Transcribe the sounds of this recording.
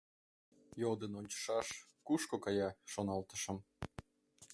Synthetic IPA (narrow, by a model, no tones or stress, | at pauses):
jod̪ənonʲt͡ɕə̥ʃɑʃkuʃkokɑjɑʃonɑlt̪ə̆ʃɤ̆m